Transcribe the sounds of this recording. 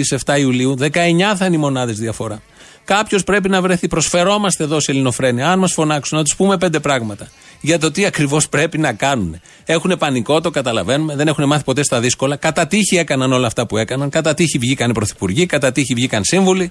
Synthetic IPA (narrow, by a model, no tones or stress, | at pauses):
ise̞ft̪ɐiuliuðe̞kɐe̞ɲɐθɐinimo̞nɐðe̞zðiɐfo̞ɾɐ | kɐpço̞spɾe̞p̬inɐvɾe̞θipɾo̞sfe̞ɾo̞mɐst̪e̞ːðo̞selino̞fɾe̞niɐɐnmɐsfo̞nɐksunɐt̪u̥spume̞p̬e̞nd̪e̞pɾɐɣmɐt̪ɐ | ʝɐt̪o̞t̪iɐkɾivo̞spɾe̞pinɐkɐnune̞ | e̞xune̞pɐniko̞t̪o̞kɐt̪ɐlɐve̞nume̞ðe̞ne̞xune̞mɐθi̥po̞t̪e̞st̪ɐðisko̞lɐkɐt̪ɐt̪içie̞kɐnɐno̞lɐːft̪ɐpue̞kɐnɐnkɐt̪ɐt̪içivʝikɐnipɾo̞θi̥puɾʝikɐt̪ɐt̪içivʝikɐnsiɱvuli